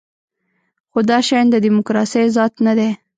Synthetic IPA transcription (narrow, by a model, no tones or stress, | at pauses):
xod̪ɑʃɑjnd̪əd̪imʊkɾɑsəjzɑt̪nad̪e